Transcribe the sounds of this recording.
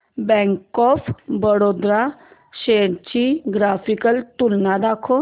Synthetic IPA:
bɛ̃ŋkɔfbəɽod̪ɾa | ɕeɽt͡ɕiɡɾafikəlt̪ulnad̪akʰo

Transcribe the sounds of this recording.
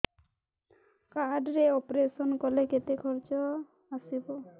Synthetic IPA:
kaɖɾeɔpɾesɔnkɔleket̪ekʰɔɾt͡ʃɔ | asibɔ

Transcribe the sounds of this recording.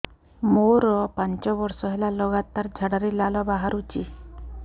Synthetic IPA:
moɾɔpaɲt͡ʃɔbɔɾsɔɦelalɔɣat̪aɾd͡ʒʱaɽaɾilalɔbaɦaɾut͡ʃi

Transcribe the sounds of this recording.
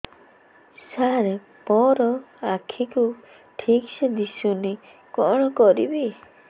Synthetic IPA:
saɾe | pɔɾɔakʰiku | ʈʰiksed̪isuni | kɔ̰ɽ̃ɔkɔɾḭbi

